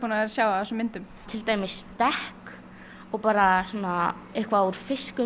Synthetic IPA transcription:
punaɛɾasjaːwaθɛsʏmɪnt̪ʏm | t̪ʰɪlt̪aːjmɪsːt̪ɛhk | ɔɣpaːɾasuːna | ɪhkvauɾ̥fɪskʏ

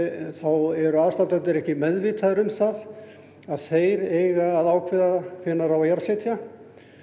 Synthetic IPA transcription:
θawɛɾʏaðst̪ant̪ant̪ɪɾɛhcɪmɛðvɪt̪ʰaðʏɾʏmθað | aðθeːjɾejɣaːðaːwkʰvɪðafɪnːaɾawajaɾsɛt̪ʰja

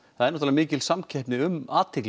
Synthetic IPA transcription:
θaðɛɾnɔt̪alɾmɪːcɪlsamcʰɛhpnɪʏmaːt̪ʰɪkl

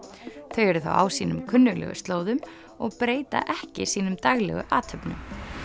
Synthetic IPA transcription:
θœɥɛɾðʏθa̰wawsiːnʏmkʰʏnːʏɣlɛ̰ɣʏ̰st̪loːwðʏm | ɔɣpɾeːjt̪a̰ʔɛhcɪsiːnʏmt̪aɣlɛɣʏʔaːt̪ʰœpnʏm

